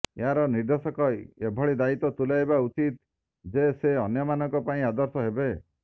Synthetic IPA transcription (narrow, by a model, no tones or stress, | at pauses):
eɦaɾɔniɾd̪ɔsɔkɔjebʱɔɭid̪ait̪ɔt̪ulajbaut͡ʃit̪ | d͡ʒeseɔnjɔmanɔŋkɔpaĩad̪ɔɾsɔɦebe